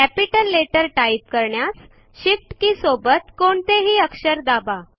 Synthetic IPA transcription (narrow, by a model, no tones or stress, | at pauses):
kæpiʈəlːeʈəɾʈaip̪̚kəɾɳjas | ɕifʈkĩːsobət̪koɳt̪eɦiːəkʂəɾd̪aba